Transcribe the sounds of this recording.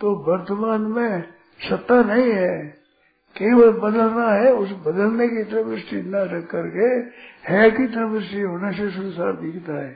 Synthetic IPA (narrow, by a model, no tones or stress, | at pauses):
t̪obɐɾt̪əmaːnmẽ | sɐt̪ːanɐɦĩɦɛː | keʋəbɐd̪əlnaɦɛʊsbɐd̪əlnekit̪ɐɾɐbɪsʈid̪naɾɐkːəɾkehɛːkit̪ɾəbɪɾsiɦoːnesesʊnsaːɾd̪iːkʰt̪aɦɛː